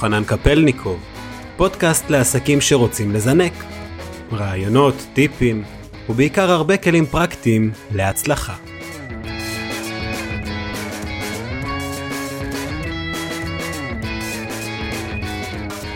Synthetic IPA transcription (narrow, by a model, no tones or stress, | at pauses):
χanankape̞lnikʰov | po̞dkast̪le̞asakimʃe̞ʁo̞t͡simle̞zane̞k | ʁaːjo̞no̞t̪ːipim | hubeikaʁhaʁbe̞ke̞limpʁakt̪imle̞at͡slaχa